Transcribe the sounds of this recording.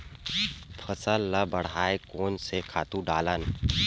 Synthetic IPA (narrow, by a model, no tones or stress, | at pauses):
pʰɐsəlːəbɐɽ̤aːekoːnsekʰaːt̪ũɖaːlən